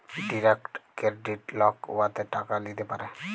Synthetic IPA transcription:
ɖiɾekʈkeɾɖiʈlɔkuat̪ɛʈakalit̪epaɾɛ

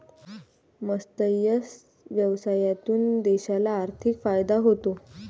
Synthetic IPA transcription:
məst̪əjəs | ʋjəʋsajat̪uːnd̪eɕalaːɾt̪ʰikfajd̪aɦot̪o

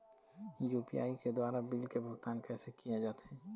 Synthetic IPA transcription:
juːpḭja̰ːiked̪waːɾabilkebʱʊɡt̪aːnkɛːsekijed͡ʒaːt̪eɦɛ̃ː

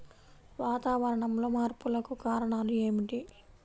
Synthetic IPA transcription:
ʋaːt̪aːʋɐɾɐɳɐmlo̞ːmaːɾpulɐkukaːɾɐɳaːlue̞ːmiʈi

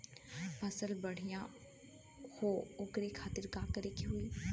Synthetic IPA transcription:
pɐsəlbɐɽ̤ijã | hoʊkɾekʰaːt̪ɪɾkaːkəɾekiɦuiː

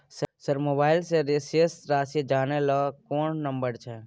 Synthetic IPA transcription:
ssəɾmoːbaːɪlseɾeseːsɾaːsed͡ʒaːnelakoːnnə̃mbəɾt͡ʃʰɛː

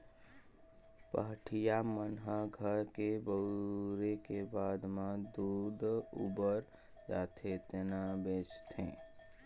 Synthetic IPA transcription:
pə̰ɦʈʰijamənɦəɡʱəɾkebəɾekebaːd̪mãd̪uːd̪ṵːbəɾ | d͡ʒa̰ːt̪ʰet̪enabeːt͡ʃt̪ḛ̃ː

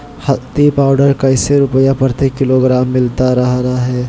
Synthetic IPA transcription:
hɐt̪ipaːʊɖəɾkaɪseɾʊpəjapɐɾt̪ekɪloːɡɾaːmːɪlt̪aɾɐɦɾaɦɛː

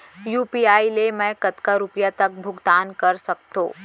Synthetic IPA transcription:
juːpiaːilemɛ̃kət̪kaɾʊpjat̪ək̚bʱʊɡd̪aːnkəɾsɐkt̪õ̰ː

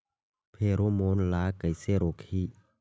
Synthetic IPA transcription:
pʰeɾomonlaːkajseɾokʰi

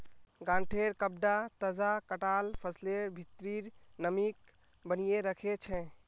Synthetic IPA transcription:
ɡãɳʈʰeɾkəb̚ɖat̪əzakəʈalpʰəsleɾbʱit̪ɾiɾnəmik | bənijeɾəkʰet͡ʃʰɛ̃

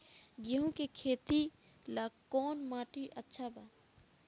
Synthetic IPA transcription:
ɡiɦũkekʰeːt̪i | laɡkɔːnmaːʈiʔətːʃʰabaː

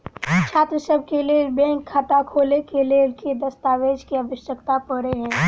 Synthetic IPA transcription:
t͡ʃʰaːt̪ɾəsəb̚ʱkelebɛ̃ːŋkʰːaːt̪akʰoːlekeleːlkid̪ɐst̪aːʋeːd͡ʒkiɐbəʃjəkt̪apəɾeɦɛ̃ː

